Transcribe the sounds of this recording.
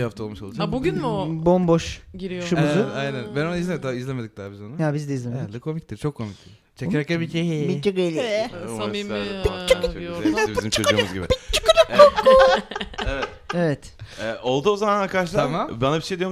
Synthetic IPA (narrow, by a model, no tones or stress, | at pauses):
ihaft̪ʰalˠmɯʃolˠud͡ʒabuɡynmobomboʃɟiɾijoʃumuzɯajnænbænonaizlʲedid̪aizlʲemed̪ic̚d̪abizonajabizd̪ɛizlʲemend̪ʲɛkʰo̞mic̚t̪ʰiɾt͡ʃʰo̞kʰːo̞mic̚t̪ʰi̥ | t͡ʃʰeɾɛkʲɛbicʰeɦibiiɡɾelʲi | bit͡ʃːibizimt͡ʃʰøumuzɡɟibɪbit͡ʃʰːi̥kɯukokːu | evɛt̪evɛt̪ɛʔo̞lˠd̪uozamanaɾkad̪aʃlˠamabanabiʃejd̪ijoɾm